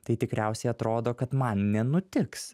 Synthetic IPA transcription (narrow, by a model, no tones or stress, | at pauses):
t̪ɐɪt̪ʲɪkɾʲæˑʊsʲɛɪɐt̪ɾoːd̪oːkɐt̪mɐnnʲɛnʊt̪ʲɪks